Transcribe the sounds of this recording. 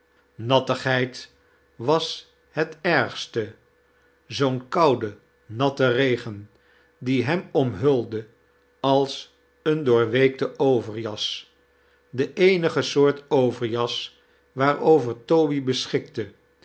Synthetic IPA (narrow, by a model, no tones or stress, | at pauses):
nɑtəχɦɛjt | ʋɑs | ɦɛtɛɹχstə | zownkɑwdə | nɑtərejχən | diɦɛmɔmɦɵlˠdə | ɑlˠs | əndʊːɹʋejk̚təʔowvəɹjɑs | dəʔejnəχəsʊːɹtowvəɹjɑs | ʋaːɹowvəɹtowbibəsχɪk̚tə